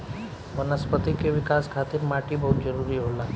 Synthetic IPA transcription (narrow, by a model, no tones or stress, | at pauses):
ʋənəspət̪ikeʋikaskʰat̪iːɾmaʈiːbəɦut̪̚d͡ʑəɾuɾiːɦola